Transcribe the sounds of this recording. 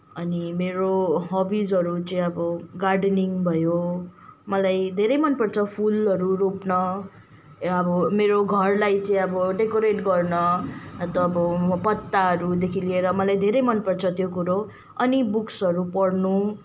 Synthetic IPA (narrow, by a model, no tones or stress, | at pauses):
ʌnimeɾoɦʌbid͡zʌɾut͡sʌĩʌbʌɡarɖniŋbʱʌjo | mʌlajd̪ʱeɾʌjmʌnpʌrt͡sʰʌpʰulʌɾuɾupnʌ | ʌbʌmeɾoɡʱʌrlajt͡sʌĩʌbʌɖekoɾeʈɡʌrnʌt̪ʌːbʌpʌt̪ːaɦʌɾud̪ekʰilieɾʌmʌlajd̪ʱeɾʌjmʌnpʌrt͡sʰʌt̪jokuɾo | ʌnibuksʌɾupʌɽnu